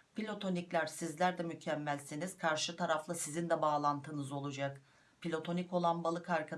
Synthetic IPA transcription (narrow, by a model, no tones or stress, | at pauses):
pʰilʲo̞t̪ʰo̞niclʲæɾsizlʲæɾd̪ɛmycʰɛmːælʲsiniz̥kʰaɾʃɯt̪ʰaɾaflˠasizind̪ɛbaːlˠant̪ʰɯnɯzo̞lˠud͡ʒak | pʰilʲo̞t̪ʰo̞nico̞lˠanbalˠɯkʰaɾkʰa